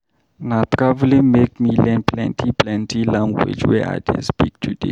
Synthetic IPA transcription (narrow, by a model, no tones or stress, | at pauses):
nat̪ɹavlĩmekmilɛ̃npʰlɛ̰̃ntʰiplɛ̃ntʰilãmɡwḛd͡ʒwɛ̰ʔa̰ɪdḛspik̚tʰudḛ